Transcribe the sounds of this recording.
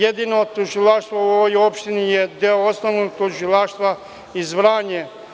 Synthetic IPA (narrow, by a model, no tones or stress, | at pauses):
ed̪inot̪uʒilaʃt̪ʋauoʋojopʃt̪inijed̪eoosnoʋnoɡt̪uʒilaːʃt̪ʋa | izʋɾaːɲe